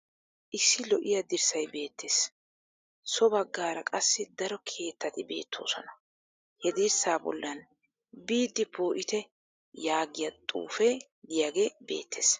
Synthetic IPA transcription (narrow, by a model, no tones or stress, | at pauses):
ʔɪsːɪlɔʔɪjɐd̪ɪɾsɐjbe̞ːt̪ːeːs | sɔbɐɡːaːɾɐkʼɐsːɪd̪ɐɾɔkʰe̞ːt̪ːɐt̪ɪbe̞̰ːt̪ʰːo̰ːsɔnɐ | hɛd̪ɪɾsaːbɔ̰lːɐn | biːd̪ːɪpoːʔɪt̪ɛ | jaːɡɪjɐt̪ʼṵːfɛ | d̪ɪjaɡe̞ːbe̞̰ːt̪ːeːs